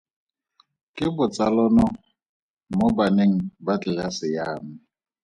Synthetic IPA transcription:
kʼɪbʊt͡sʼalɔnɔ | mobaneŋ̩bat͡ɬʼɪlasɪjaːmɪ

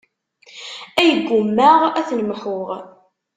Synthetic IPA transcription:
æjəɡːʊmːæʁæθnmħʊʁ

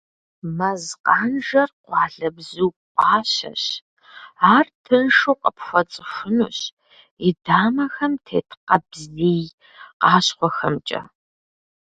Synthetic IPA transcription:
mɐzqɑːnʒɐrqʷɑːɮɐbzuːqʷʼɑːɕɐ̰ɕ | aːrtʰɨnʂuːqʼəpxʷɐt͡sʼɨʃʷʊnṵːɕ | idaːmɐxɐmtʰḛːtʰqɐbzziːj | qɑːɕχʷɔxɐmt͡ʃʼɐ̰

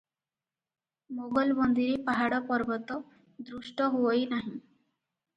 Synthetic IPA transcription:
moɡɔlbɔnd̪iɾipaɦaɽɔpɔɾbɔt̪ɔ | d̪ɾuʃʈɔɦuojnaɦĩ

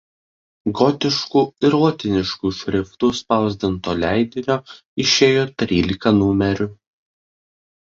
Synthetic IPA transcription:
ɡɔt̪ʲɪʃkuːɪɾuɔt̪ʲɪnʲɪʃkuːʃʲɾʲɪft̪uːspɑˑʊzʲd̪ʲɪnt̪oːlʲæɪd̪ʲɪnʲoː | ɪʃʲeːjoːt̪ʲɾʲiːlʲɪkɐnuːmʲɛɾʲʊ

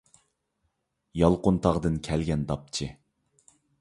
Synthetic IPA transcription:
jɑlˠqʊnt̪ʰɑʁd̪ɨnkʲʰɛlɡʲɛnd̪ɑp̚t͡ʃʰɪ

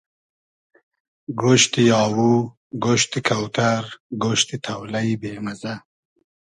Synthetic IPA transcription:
ɡoʃt̪ijɑːwu | ɡoʃt̪ikʰawt̪aɾɡoʃt̪it̪ʰɐwlɐjbeːmɐzɐ

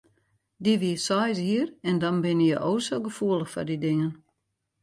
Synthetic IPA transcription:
diʋiəsɔjshiərɛndɔnbɪnəjəʔoːsoɡəfuələxfɔ̰rdidɪŋən

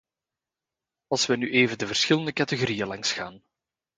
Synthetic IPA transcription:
ɑlˠsʋɛnyʔeːvəndəvərsxɪləndəkɑtəɣoɾijəlɑŋsxa̰ːn

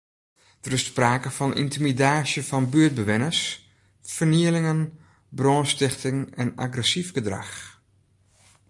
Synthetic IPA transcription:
d̥ərɪsspraːkəfɔnḭntimidaːsjəfɔnbyəd̚bəʋɪnəs | fərniəlɪŋən | broːnstɪxtɪŋɛna̰ɡrɛsifɡədra̰x

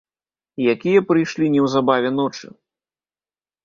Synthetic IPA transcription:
jakʲijɐpɾɨjʂlʲinʲɛwzabavʲɛnɔt͡ʂɨ

